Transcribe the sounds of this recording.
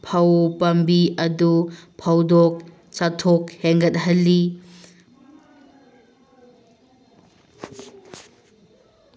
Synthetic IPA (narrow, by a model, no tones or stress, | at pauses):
pʰɐwpɐmbiɐdupʰawdok̚ | t͡ʃatʰokheŋɡɐt̚ɦɐlːi